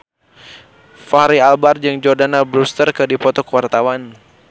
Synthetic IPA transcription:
faɾialbard͡ʒɨŋd͡ʒɔrdanabɾust̪ərkɨdipɔt̪ɔkəwart̪awan

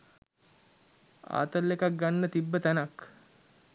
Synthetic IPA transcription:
a̰ːt̪əlːekak̚ɡanːət̪ibːət̪ænak

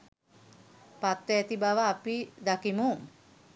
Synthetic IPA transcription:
pat̪ːeɛt̪ibaʋaːpid̪akimuŋ

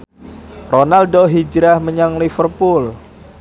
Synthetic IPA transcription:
ronaldoɦid͡ʒɾahməɲaŋlifərpul

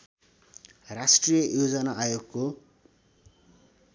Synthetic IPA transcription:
rasʈrijʌjod͡zʌnaajoɡko

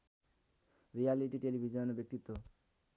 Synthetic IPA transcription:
ɾijaliʈiʈelibʱid͡ʒɔnɔbjek̚t̪it̪ːwo

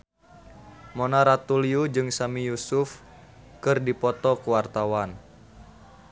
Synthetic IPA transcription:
mɔnaɾat̪uliud͡ʒɨŋsamijusuf | kɨrdipɔt̪ɔkuwart̪awan

